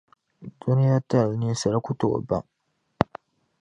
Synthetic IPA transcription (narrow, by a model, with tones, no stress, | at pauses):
du˦ni˦ja˦ta˦˨lni˦sa˨ɾa˦ku˦to˨o̰˨ba̰˦˨ŋ